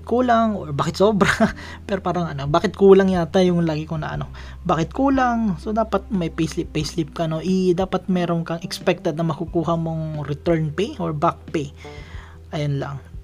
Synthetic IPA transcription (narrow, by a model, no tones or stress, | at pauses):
kʰuːlaŋʔoɹbaːkɪt̪sobɾɐ | pɛɾopaːɾɐŋɐnobaːkɪt̪̚kuːlɐŋjat̪ɐjʊŋlaːɡɪkonɐ̰ʔɐ̰no̞ | baːkɪt̪̚kuːlaŋsod̪aːpɐt̪̚mɐjpejslɪpːejslɪp̚kɐno̞ʔɪd̪aːpɐt̪̚mɛːɾoŋkɐŋʔɛkspɛk̚t̪ɛd̪nɐŋmɐkukuːɦɐmoŋɾɪt̪ɛɹnpejʔoɹbak̚pej | ʔɐjonla̰ŋ